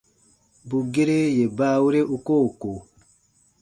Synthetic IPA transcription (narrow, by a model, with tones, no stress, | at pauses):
bu˨ɡe˦ɾe˦je˨ba˦wu˦ɾe˦ʔu˦ko˦˨ko˨